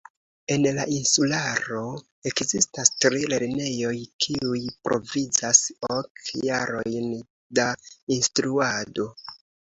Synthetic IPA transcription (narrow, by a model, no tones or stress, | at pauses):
e̞nlainsulaɾo̞ | e̞kzistastɾile̞ɾne̞jo̞jkʰiujpɾʔo̞̰vizasokjaɾo̞jn | dainstɾuado̞